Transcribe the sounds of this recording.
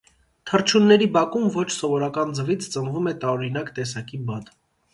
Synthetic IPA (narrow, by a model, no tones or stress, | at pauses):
t̪ʰərt͡ʃʰunːɛɾibɑkumvɔt͡ʃʰsɔvɔɾɑkɑnd͡zəvit͡sʰt͡sənvumɛt̪ɑɾɔɾinɑkt̪ɛsɑkibɑd̪